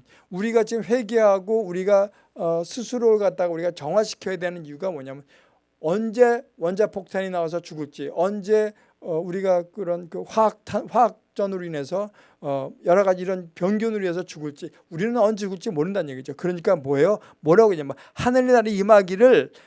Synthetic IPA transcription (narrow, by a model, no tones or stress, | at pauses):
uɾiɡad͡ʑiɡɯmɸwe̞ɡeɦaɡouɾiɡa | ʌsʰusʰuɾoɯɭɡat̚t͈aɡouɾiɡat͡ɕʌŋwaɕʰi̥kʰjʌjedweanɯnijuɡamʌɲamjʌn | ʌnd͡ʑe̞wʌnd͡ʑapʰok̚tʰaɲinaas̬ʰʌt͡ɕuɡɯɭt͡ɕ͈iʌnd͡ʑe̞ | ʌuɾiɡakɯɾʌnkɯɸwaak̚tʰanɸwaak̚t͡ɕ͈ʌnɯɾoine̞sʰʌː | jʌɾʌɣad͡ʑiːɾʌnpjʌŋɡjunɯɾies̬ʰʌt͡ɕuɡɯɭt͡ɕ͈i | uɾinɯnʌnuɡɯɭt͡ɕ͈imoɾɯndanɯɲjeɡid͡ʑokɯɾʌɲik͈amʌejo | mʌɾaɡoɲama | hanɯɭinaɾeimaɡiɾɯɭ